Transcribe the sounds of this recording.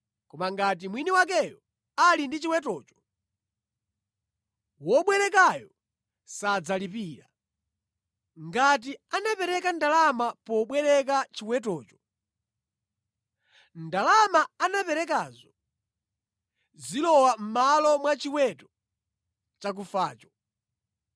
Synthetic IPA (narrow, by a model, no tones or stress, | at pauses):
kɔmaŋɡat̬imwiniwak̬ɛjɔ | alindit͡ʃiwɛtɔːt͡ʃɔ̥ | wɔɓwɛɾɛk̬ajɔ | sad͡zalipiːɾa | ŋɡat̬ianapɛɾɛkandalamapɔɓwɛɾɛk̬at͡ʃiwɛt̬ɔːt͡ʃɔ̥ | ndalamaːnapɛɾɛk̬aːzɔ | zilɔwam̩malɔmwat͡ʃiwɛtɔ | t͡ʃak̬ufaːt͡ʃɔ̥